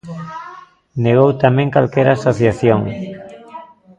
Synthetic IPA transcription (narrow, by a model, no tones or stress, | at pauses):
neɣ̞owt̪amɛ̃ŋkalkɛɾasoθjaθjoŋ